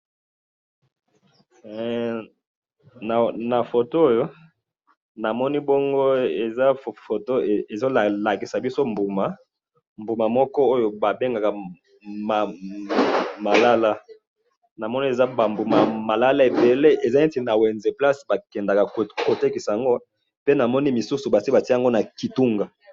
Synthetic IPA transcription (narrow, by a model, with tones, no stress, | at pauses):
na˨na˨fo˨to˦o˦jo˦ | na˨mɔ˦ni˦bo˦ŋɡo˦e˨za˦˨fo˨to˦˨e˨zo˦la˨la˨ki˨sa˨bi˦so˦mbu˨ma˨ | mbu˨ma˨mɔ˦kɔ˦o˦jo˦ba˨be˦ŋɡa˨ka˨ | ma˨ | ma˨la˦la˦ | na˨mɔ˦ni˦e˨za˦ba˨mbu˨ma˨ma˨la˦la˦e˨be˨le˦ʔe˨za˦e˦ti˨na˨wɛ˨nze˨pla˦sba˨kɛ˨nda˨ka˨ko˨te˦ki˨sa˨a˨ŋɡo˦ | pe˦na˨mɔ˦ni˦mi˨su˦su˨ba˨ta˨ti˦a˨ŋɡo˦na˨ki˨tu˦ŋɡa˨